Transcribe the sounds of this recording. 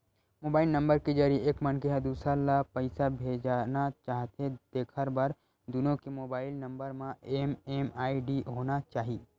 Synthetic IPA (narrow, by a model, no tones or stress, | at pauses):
moːbaːɪlnɐ̃mbəɾkid͡ʒaɾieːkmənkeɦɐd̪uːsɾalapəɪsabʱeːd͡ʒanat͡ʃaːɦt̪ed̪̥eːkʰəɾbaɾ | d̪ʊnõkemoːbaːɪlnɐ̃mbəɾmãeːmeːmaːiɖiɦoːnat͡ʃaːɦi